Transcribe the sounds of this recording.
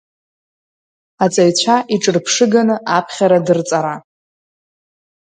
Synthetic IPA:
at͡sʼajt͡ɕʷʰaʔiʈ͡ʂʼɨrpʰʂɨɡanɨʔapʰχʲaɾadɨrt͡sʼaɾa

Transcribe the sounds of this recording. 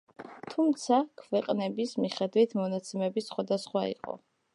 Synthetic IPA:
t̪ʰumt̪sʰakʰvɛqʼnɛbismiχɛd̪wit̪ʰmɔnat̪sʰɛmɛbisχwad̪asχwaḭqʼɔ̰

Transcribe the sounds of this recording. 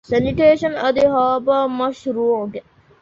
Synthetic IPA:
sɐniʈeːʃɐnɐd̪iɦaːbamɐʃɾuːʕɡ̪e

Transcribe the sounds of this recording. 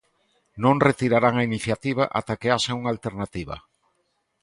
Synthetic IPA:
nõŋret̪iɾaɾaŋainiθjat̪iβ̞aʔa̰t̪akeaʃauŋalt̪eɾnat̪iβa̰

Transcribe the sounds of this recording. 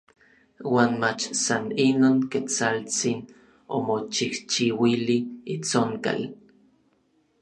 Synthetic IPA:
waːnmat͡ʃsaninoːŋket͡salt͡sin | o̰mot͡ʃiht͡ʃiwiliit͡soŋka̰l

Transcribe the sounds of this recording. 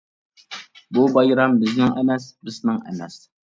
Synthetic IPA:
bubɑjɾambɨznɪŋænæsbɨsnɪŋæ̰næs

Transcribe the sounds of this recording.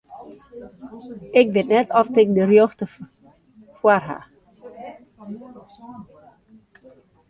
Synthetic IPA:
ɪkʋɪtnɛtʰɔftɪk̚dərjoxtə | fwarɦa̰

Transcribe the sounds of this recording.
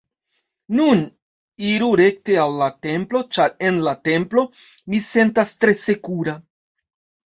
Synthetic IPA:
nun | iɾuɾe̞k̚te̞alːate̞mplo̞t͡ʃaɾe̞nlate̞mplo̞mise̞ntastɾe̞se̞kuɾa

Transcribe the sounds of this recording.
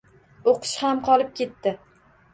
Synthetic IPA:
oqʰɨ̥ʃhamqʰɒlˠɪp̚kʲʰe̞t̪ːɪ

